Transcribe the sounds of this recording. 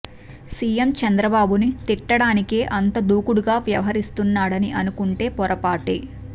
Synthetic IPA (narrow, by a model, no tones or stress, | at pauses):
siːjemt͡ʃɐnd̪ɾɐbaːbunit̪iʈːɐɽaːnikeːʔɐnt̪ɐd̪uːkuɽuɡaːʋjɐʋɐɦɐɾist̪unːaːɽɐniʔɐnukuɳʈe̞ːpɔɾɐpaːʈi